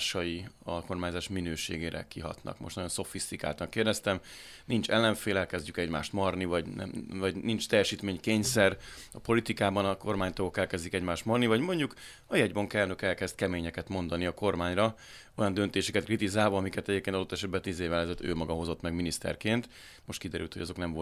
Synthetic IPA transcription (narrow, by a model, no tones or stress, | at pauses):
ʃɒjiɒlko̞rmaːɲzaːʃminøːʃḛːɡeːɾɛ̰kiɦɒ̰t̪nɒ̰kmoʃt̪nɒjo̞nso̞fist̪ika̰ːlt̪ɒŋkeːrd̪ɛst̪ɛm | nint͡ʃɛlːɛɱfeːlɛlkɛzɟykɛɟma̰ːʃt̪mɒrnivɒɟnɛ̰vɒɟnint͡ʃt̪ɛjːɛʃiːt̪meːɲkeːɲsɛrɒpo̞lit̪ikaːbɒnɒko̞rmaːɲt̪ɒɡokɛlkɛzd̪ikɛɟmaːʃt̪mɒrnivɒɟmo̞ɲɟuk | ɒjɛɟbɒŋkɛːlnøkɛlkɛz̥t̪kɛmeːɲɛkɛt̪mo̞nd̪ɒniɒko̞rmaːɲrɒ | o̞jɒnd̪ønt̪eːʃɛkɛt̪krit̪izaːlvɒɒmikɛt̪ɛɟepkenɒd̪ot̪ːɛʃɛd̪̚bɛt̪iːzeːvɛlɛzøːt̪ːø̰ːmɒɡɒɦo̞zo̞t̪ːmɛɡminist̪ɛ̰rkeːnt̪ | mo̞ʃt̪kid̪ɛɾy̰lt̪ho̞ɟɒzo̞knɛɱvo